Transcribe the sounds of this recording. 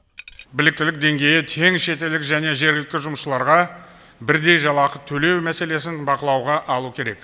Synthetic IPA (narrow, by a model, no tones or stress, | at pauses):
bɪlɪk̚t̪ɪlɪk̚d̪e̞ŋɡʲe̞jɪt̪ʰe̞ŋʃe̞t̪e̞ld̪ɪkʒæne̞ʒe̞ɾɡʲɪlɪk̚t̪ʲːɪʒʊməsʃəlˠɑɾʁɑ | bɪɾd̪e̞jʒɑlˠɑqət̪ʰɵle̞wmæse̞le̞s̬ɪnbɑqəlˠɑwʁɑʔɑlˠukʲʰe̞ɾe̞k